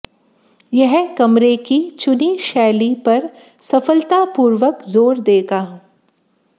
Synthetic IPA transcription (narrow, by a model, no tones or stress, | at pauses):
jɛɦkɐmɾekit͡ʃʊniʃɛːlipɐɾ | sɐfəlt̪apuːɾʋəkzoːɾd̪eːɡaː